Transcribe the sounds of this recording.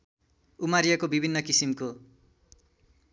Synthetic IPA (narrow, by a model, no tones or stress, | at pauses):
umaɾjʌkobibʱinːʌkisimko